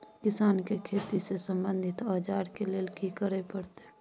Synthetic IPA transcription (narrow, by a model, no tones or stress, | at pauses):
kɪsaːnkekʰeːt̪isesəmbə̃nd̪ʱɪt̪aːd͡ʒaːɾkeleːlkikəɾepəɽt̪e